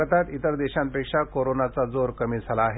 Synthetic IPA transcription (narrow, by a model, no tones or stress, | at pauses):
t̪at̪it̪əɾd̪eɕãmpekʂakoɾonat͡sad͡zoɾkəmiːd͡zʱalaːɦe